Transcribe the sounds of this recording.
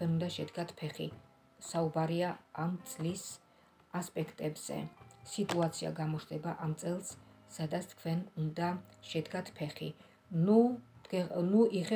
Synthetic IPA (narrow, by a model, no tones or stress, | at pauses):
kʰwɛnund̪aʃɛd̪ɡat̪ʰpʰɛχḭ | saubaɾiaamt̪sʼlis | aspʼɛkʰt̪ʼɛbz̥ɛ̰sit̪ʼuat̪sʰia̰ɡamɔt͡ʃd̪ɛbaʔamt̪sʼɛlˠssad̪at̪st̪ʰkʰwɛnund̪aʃɛd̪ɡat̪ʰpʰɛχi | nuɛnuʔiχɛ